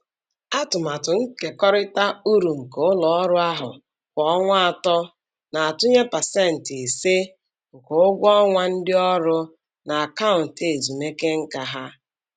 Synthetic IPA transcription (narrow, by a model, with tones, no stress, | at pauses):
a˦tʊ˨ma˨tʊ˨ŋ̩˦ke˨kɔ˦ɾɪ˦ta˦u˦ɾu˨ŋ̩˨ko˨ʊ˦lɔ˨ɔ˦ɾʊ˦a˦ɦʊ̰˨ | kʷɔ˨ɔ˦ŋʷa˦a˨tɔ˦ | na˨a˨tʊ˦ɲe˦pa˨se˦˨n̩˨ti˨se˦ | ŋ̩˨ko˨ʊ˦ɡʷɔ˦ŋʷa˦n̩˦dɪ˦ɔ˦ɾʊ˦ | na˨a˨ka˦ʊ˨n̩˨te˨zi˨me˦ke˦ŋ̩˦ka˨ɦa˦